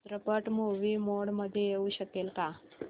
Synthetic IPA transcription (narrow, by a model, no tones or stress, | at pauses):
t̪ɾəpəʈmoʋimoɽməd̪ʱjeeuʃəkelka